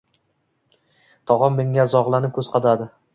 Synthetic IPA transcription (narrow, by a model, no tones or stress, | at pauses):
t̪ʰɒʁɒnme̞ŋazɒʁlˠanɪp̚kʲʰɵzqʰɑd̪ad̪ɪ